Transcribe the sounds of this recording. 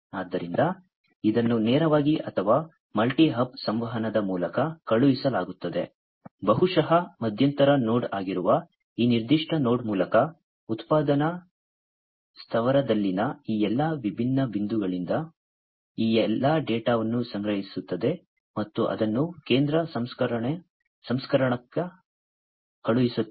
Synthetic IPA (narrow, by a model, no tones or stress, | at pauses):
aːd̪ːɐɾind̪ɐ | id̪ɐnːunɛːɾɐʋaːɡiʔɐt̪ʰɐʋaː | mɐlʈiɦɐb̚sɐmʋɐɦɐnɐd̪ɐmuːlɐkɐkɐɭuʋisɐlaːɡut̪ːɐd̪e̞̰ | bɐɦuʂɐɦɐmɐd̪ʱjɐnt̪ɐɾɐnoːɽaːɡiɾuʋɐ | iːniɾd̪iʂʈɐno̞ːɽmuːlɐkɐ | ut̪paːd̪ɐnɐ | st̪ʰɐʋɐɾɐd̪ɐlːinɐiːɛlːɐʋibʱinːɐbind̪uɡɐɭind̪ɐ | iːɛlːɐɖeːʈaːʋɐnːusɐŋɡɾɐɦisut̪ːɐd̪e̞ | mɐt̪ːuʔɐ̰d̪ɐnːuke̞ːnd̪ɾɐsɐmskɐɾɐɳ | sɐmskɐɾɐɳɐkɐ | kɐɭuʋisu